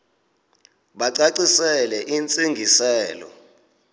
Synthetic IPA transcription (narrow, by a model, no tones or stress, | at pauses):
ɓaǀaǀisɛlɛʔint͡sʼiŋɡʱisɛːlɔ̰